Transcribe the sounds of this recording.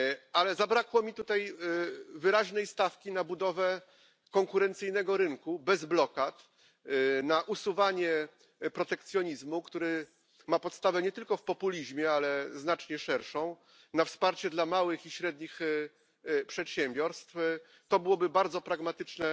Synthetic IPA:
alɛzabɾakwɔmʲit̪ut̪aj | vɘɾaʑnɛjst̪afkʲinabud̪ɔvɛ | kɔŋkuɾɛnt̪sɘjnɛɡɔɾɘŋkubɛzblɔkat̪ | naʔusuvaɲɛ | pɾɔt̪ɛkt̪sʲjɔɲizmukt̪uɾɘ | mapɔt̪st̪avɛɲɛt̪ɘlkɔfpɔpulʲiʑmʲjɛalɛznat͡ʂɲɛʂɛɾʂɔ̃w̃ | nafspaɾt͡ɕɛd̪lamawɘxiɕɾɛd̪ɲix | pʂɛt̪ɕɛmbʲjɔɾst̪f | t̪ɔbɘwɔbɘbaɾd̪zɔpɾaɡmat̪ɘt͡ʂnɛ

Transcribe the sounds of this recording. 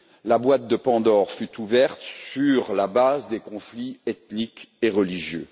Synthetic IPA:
labwat̪̚d̪əpɑ̃d̪ɔʁfyt̪uvɛʁt̪syʁlabazd̪ekɔ̃fliɛt̪nikeʁəliʒjø

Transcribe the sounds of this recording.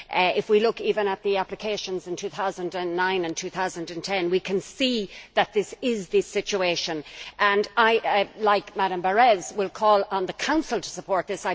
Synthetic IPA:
ɪfwilʊkivə̃nət̪̚ðiæplɨkʰeɪʃə̃nzɪ̃ntʰʉθaʊzə̃ndə̃nːãɪ̃nə̃ntʰʉθaʊzə̃ndɨ̃ntʰɛ̃nwikʰɨ̃nsiðət̪̚ðɪsɪzðɪsɪt͡ʃueɪʃə̃nʔə̃naɪlaɪkmæɾə̃mbə˞ɛzwɪlˠkʰɔːlə̃nðəkʰãʊ̃nsəlˠtʰə̥səpʰɔɹt̪̚ðɪsaɪ

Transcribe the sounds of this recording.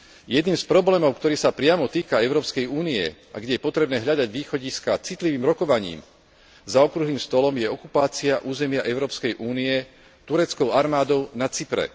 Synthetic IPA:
jɛd̪niːmspɾɔblɛːmɔʊkt̪ɔɾiːsapɾɪamɔt̪iːkaɛʊɾɔːpskɛjuːniɛ̰ | a̰ɡɟɛjɛpɔt̪ɾɛbnɛːɦʎad̪aɟʋiːxɔɟiskat͡sit̪liʋiːmɾɔkɔʋaɲḭːm | zaɔkɾuɦliːmst̪ɔlɔmjɛɔkupaːt͡siaʔuːzɛmɪaʔɛʊɾɔːpskɛjʔuːniɛ | t̪uɾɛt͡skɔʊaɾmaːd̪ɔʊnat͡sipɾɛ̰

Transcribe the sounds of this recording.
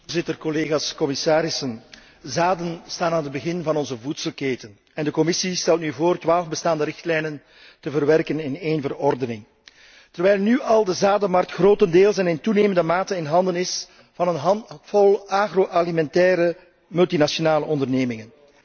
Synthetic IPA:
zɪtərkɔleːɣaskɔmɪsaːɾɪsən | zaːdənstaːnaːnəd̚bəɣɪnvɑnɔnzəvutsəlˠkeːtən | ɛndəkɔmɪsistɛlˠtnyvoːrtwʋaːlˠvbəstaːndəɾɪxtlɛjnən | təvərʋɛrkənɪneːnvərɔrdənɪŋ | tərʋɛjlˠnyɑlˠdəzaːdəmɑrtxroːtəndeːlˠsɛnɪntuneːməndəmaːtənɪnɦɑndənɪs | vɑnənɦɑnfɔlˠaːɣroʔɑlimɛntɛːɾə | mɵlˠtinasionaːləɔndərneːmɪŋən

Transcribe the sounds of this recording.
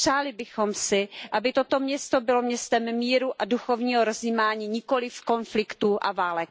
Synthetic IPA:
r̥aːlɪbɪxomsɪʔabɪt̪ot̪o̞mɲɛst̪o̞bɪlomɲɛst̪ɛmmiːɾuʔaduxo̞vɲiːɦoɾozimaːɲiːɲɪko̞lɪfko̞nflɪkt̪uːʔa̰vaːlɛk̚

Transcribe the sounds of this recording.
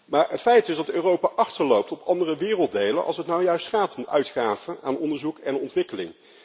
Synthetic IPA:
maːɹətfɛjtdɵzdɑtøːrowpaːʔɑχtəɹlowp̚tɔpɑndərəʋɪːrəlˠt̚dejlə̰nʔɑ̰lˠsɦətnawjœɥstχaːtʰɔmœɥtχaːvənaːnɔndəɹzukɛnɔntʋɪkəlɪ̰ŋ

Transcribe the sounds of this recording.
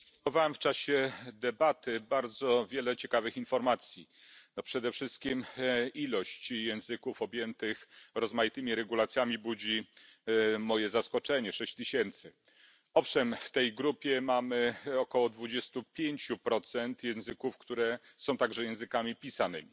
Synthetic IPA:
t̪ɔvawɛmft͡ʂaɕɛd̪ɛbat̪ɘbaɾd̪zɔvʲjɛlɛt͡ɕɛkavɘxinfɔɾmat̪sʲjinɔpʂɛd̪ɛfʂɘst̪̚kʲimilɔɕt͡ɕjɛ̃w̃zɘkufɔbʲjɛnt̪ɘxɾɔzmajit̪ɘmʲiɾɛɡulat̪sʲjamʲibud͡ʑi | mɔjɛzaskɔt͡ʂɛɲɛʂɛɕt͡ɕt̪ɘɕɛnt̪sɘ | ɔfʂɛmft̪ɛjɡɾupʲjɛmamɘɔkɔwɔd̪vud͡ʑɛst̪upʲjeɲt͡ɕupɾɔt̪sɛnt̪jɛ̃zɘkufkt̪uɾɛ | sɔ̃w̃t̪aɡʐɛjɛ̃w̃zɘkamʲipʲisanɘmʲi

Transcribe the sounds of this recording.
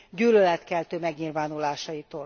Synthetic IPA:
ɟyːlølɛt̪kɛlt̪øːmɛɡɲilvaːnulaːʃɒjit̪oːl

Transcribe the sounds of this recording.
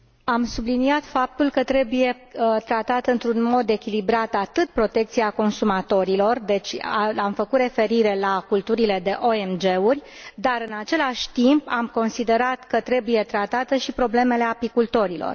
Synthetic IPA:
amsubliniat̪fap̚t̪ulkət̪ɾe̞buje̞ | ət̪ɾat̪at̪ɨnt̪ɾunmo̞d̪e̞kʲilibɾat̪at̪ɨt̪̚pɾo̞t̪e̞k̚t̪siako̞nsumat̪o̞ɾilo̞rd̪e̞t͡ʃʲaamfəkut̪re̞fe̞ɾiɾe̞lakult̪uɾile̞d̪e̞ʔo̞emd͡ʒe̞urʲ | d̪aɾɨnat͡ʃe̞laʃʲt̪impamko̞nsid̪e̞ɾat̪kət̪ɾe̞buje̞t̪ɾat̪at̪əʃipɾo̞ble̞me̞le̞apikult̪o̞ɾilo̞̰r

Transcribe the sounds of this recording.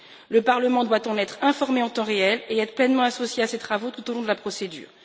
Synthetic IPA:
ləpaʁləmɑ̃d̪wat̪ɑ̃nɛt̪χɛ̃fɔʁmeɑ̃t̪ɑ̃ʁeɛleɛt̪χəplɛnmɑ̃asosjeaset̪χavot̪ut̪olɔ̃d̪əlapχɔsed̪y̰ːʁ

